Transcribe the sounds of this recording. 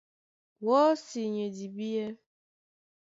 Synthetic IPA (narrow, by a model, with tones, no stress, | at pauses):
wɔ˦si˨ɲe˨di˨bi˦je˦